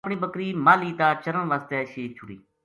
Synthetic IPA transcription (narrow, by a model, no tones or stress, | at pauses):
pɳiːbəkɾiːmaːliːt̪aːt͡ʃəɾəɳʋaːst̪ɛːʃeːt͡ʃʰʊɽḭː